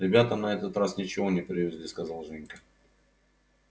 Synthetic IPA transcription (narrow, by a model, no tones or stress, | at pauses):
ɾʲɪbʲat̪ənɐɛt̪ət̪ɾasnʲɪt͡ɕɪvo̞nʲɪpɾʲɪvʲɪzʲlʲiskɐzalˠʐɛnʲkə